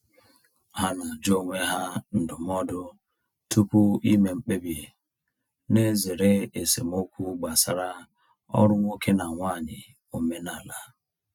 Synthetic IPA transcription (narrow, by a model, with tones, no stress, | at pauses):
ha˦na˨d͡ʒo˦ŋʷe˦ɦa˦n̩˨dʊ˨m˦ɔ˦dʊ˦ | tu˦pu˦i˦me˨ŋ͡m̩˦k͡pe˦bi˨ | ne˦ze˨ɾe˦e˨se˨m˦o˦kʷu˦ɡ͡ba˨sa˦ɾa˦ | ɔ̰˦ɾʊ˦ŋʷo˦ke˦na˨ŋʷa˦˨ɲɪ̰˨ | o˨me˦na˨la˦